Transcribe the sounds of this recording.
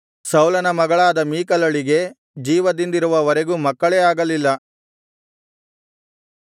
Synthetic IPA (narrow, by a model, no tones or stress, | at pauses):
sɐwlɐnɐmɐɡɐɭaːd̪ɐmiːkɐlɐɭiɡe̞ | d͡ʒiːʋɐd̪ind̪iɾuʋɐʋɐɾeɡuːmɐkːɐɭeːaːɡɐlilːɐ